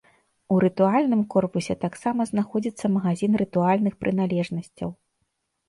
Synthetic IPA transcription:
uɾɨt̪ualʲnɨmkɔrpusʲɛt̪aksamɐznaxɔd͡zʲit̪sːɐmɐɣazʲinɾɨt̪ualʲnɨxpɾʔɨn̪alʲɛʐnɐsʲt͡sʲɐ̰w

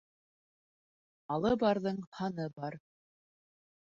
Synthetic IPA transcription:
ɑlˠɤbɑɾðɤɴhɑnɤbɑɾ

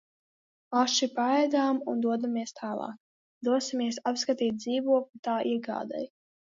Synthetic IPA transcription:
aʃipaɛjd̪aːmund̪uɔd̪amiɛst̪ʰaːlˠɑ̰ːk | d̪uɔsimiɛsapskat̪iːt̪̚d̪ziːvuɔklʲut̪aːʔiɛɡa̰ːd̪ɛ̰j

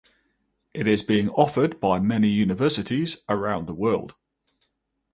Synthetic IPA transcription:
ʔɪtɪzbiːɪ̃ŋɒfəd̚baɪmɛnijʉːnɪvɜˑsɪtɪzəɹãʊ̃nðəwɜːlˠd̥

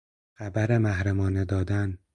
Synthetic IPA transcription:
xæbæɾemæhɾæmɒːned̪ɒːd̪æn

